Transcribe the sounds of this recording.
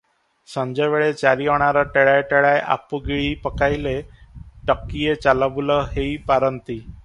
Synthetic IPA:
sə̃ɲd͡ʑɔʋeɭet͡ɕaɾiɔɽ̃aɾɔʈeɭajʈeɭajʔa̰puɡiɭipəkajleʈəkːijet͡ɕalabulɔɦeipaɾənt̪i

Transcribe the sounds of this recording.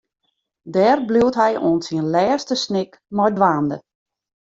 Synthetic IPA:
dɛːrbluwtɦɛjoənsiənlɛːstəsnɪk | mɔjdʋaːndə̰

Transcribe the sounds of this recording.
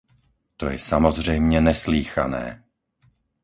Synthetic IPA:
t̪ɔjɛsamɔzr̝ɛjmɲɛnɛsliːxa̰nɛ̰ː

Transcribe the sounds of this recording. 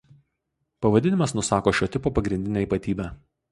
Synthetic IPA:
pɐʋɐd̪ʲɪnʲɪmɐsnʊsɑːkoːʃʲoːt̪ʲɪpoːpɐɡɾʲɪnʲd̪ʲɪnʲɛːiːˑpɐt̪ʲiːbʲæː

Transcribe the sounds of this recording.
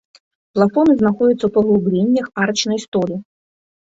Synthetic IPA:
plˠafɔnɨznaxɔd͡zʲit̪sːɐwpɐɣlˠublʲenʲːɐxart͡ʃnɐjst̪ɔlʲi

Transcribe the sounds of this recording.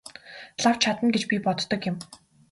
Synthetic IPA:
ɮaw̥t͡ɕʰat̪ə̆nɡet͡ɕpʲipɔt̪ːɞ̆kjɪ̆m

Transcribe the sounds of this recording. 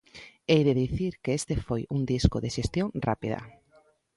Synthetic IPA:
ejðeðiθiɾkeest̪efojuŋd̪isko̰ðeʃest̪joŋra̰piðɐ̰

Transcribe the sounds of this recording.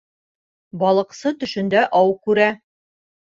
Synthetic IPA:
bɒlˠɤ̆qsɤt̪ɵ̆ʃɵ̆nd̪æʔɒwkʉɾæ

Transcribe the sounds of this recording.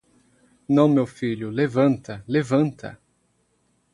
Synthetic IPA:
nɐ̃w̃mewfiʎʊlevɐ̃nt̪ɐlevɐ̃nt̪ʰɐ̰

